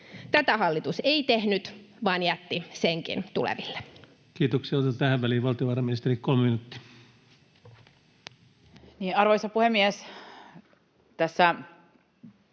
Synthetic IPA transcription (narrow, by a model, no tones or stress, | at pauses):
t̪æt̪æhɑlːit̪useit̪ehnyt̪ | ʋɑːnjæt̪ːiseŋkḭnt̪ulḛʋilːe̥ | kiːt̪oksiɑt̪ɑt̪æhæʋʋæliːʋɑlt̪ioʋɑːrɑminist̪erikkolmeminut̪ːi̥ | niːnɑrʋoijsɑpuhemːies | t̪æsːæ